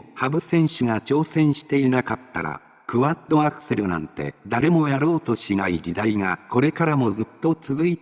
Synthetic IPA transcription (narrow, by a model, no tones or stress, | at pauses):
habɯ̟sẽ̞ɰ̃ɕɨŋat͡ɕo̞ːsẽ̞ɰ̃ɕi̥t̪e̞inakat̪ːa̰ɾa̰ | kɯ̟βad̪o̞akɯ̟̥se̞ɾɯ̟nã̰nt̪e̞̰d̪aɾe̞mo̞jaɾo̞ːt̪o̞ɕinaid͡ʑid̪aiŋako̞ɾe̞kaɾamo̞zɨt̪ːo̞t͡sɨzɨi